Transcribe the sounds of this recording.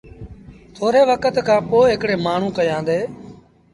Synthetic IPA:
t̪ʰoːɾeːʋəkət̪kʰãːpoːɦɪkɽeːmaːɳ̤ũːkəjãːnd̪eː

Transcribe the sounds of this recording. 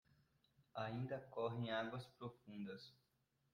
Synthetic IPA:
aĩnd̪ɐkɔɦẽj̃aɡwɐspɾofũnd̪ɐs

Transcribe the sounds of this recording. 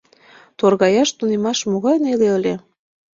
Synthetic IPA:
t̪orɣɑjɑʃt̪unemɑʃmoɣɑjnelʲeəlʲe

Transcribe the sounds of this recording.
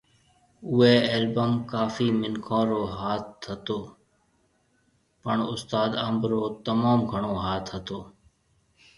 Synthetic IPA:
ʊːeːeːlbəmkaːfiːmɪnkʰõːɾoːɦaːt̪ɦət̪oː | pəɳʊst̪aːd̪əmbɾoːt̪əmaːmɡʱəɳ̃oːɦaːt̪ʰət̪oː

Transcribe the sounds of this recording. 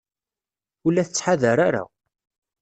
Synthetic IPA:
ulːæθət͡sːħaðəɾaɾa̰

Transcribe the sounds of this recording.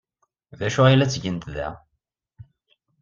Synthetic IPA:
ðæʃʊʁjilæt͡sːʝənt̪ðæ̰

